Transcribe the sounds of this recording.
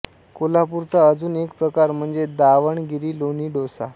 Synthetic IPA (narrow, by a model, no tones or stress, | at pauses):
kolapuɾt͡saəd͡zuːnekpɾəkaɾm̤əɳd͡zed̪aʋəɳɡiɾiːloniːɖosa